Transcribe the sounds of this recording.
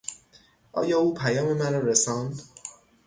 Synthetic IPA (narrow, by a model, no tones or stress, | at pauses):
ʔɒ̰ːjɒːuːpʰæjɒːme̞mæɾɒːɾesɒnd̪